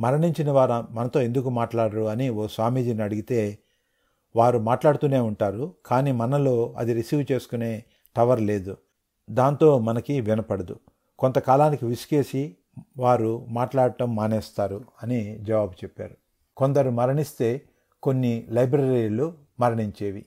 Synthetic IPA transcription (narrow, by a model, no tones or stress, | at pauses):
mɐɾɐɳiɲt͡ʃinɐʋaːɾmɐnɐt̪o̞ːe̞nd̪ukumaːʈlaːɽɐɾuɐnioːsaːmiːd͡ʒiniɐɽuɡit̪e̞ː | ʋaːɾumaːʈlaːɽt̪uːne̞ːuɳʈaːɾukaːniːmɐnɐlo̞ːɐ̰d̪iɾisiːʋt͡ʃe̞ːsu̥kune̞ː | ʈɐʋɐɾle̞ːd̪u | d̪aːnt̪o̞ːmɐnɐkiʋinɐpɐɽɐd̪ṵ | kont̪ɐkaːlaːnikiʋiske̞ːsi | ʋaːɾumaːʈlaːɽɐʈɐmːɐːneːst̪aːɾuɐnid͡ʒɐʋaːbut͡ʃepːa̰ːɾu | ko̞nd̪ɐɾumɐɾɐɳist̪e̞ː | ko̞nːilɐjbɾɐɾiːlu | mɐɾɐɳiɲt͡ʃe̞ːʋḭ